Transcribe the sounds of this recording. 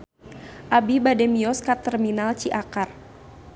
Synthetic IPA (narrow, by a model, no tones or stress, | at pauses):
ʔabibadɛmiɔskat̪ɛrminalt͡ʃiʔakar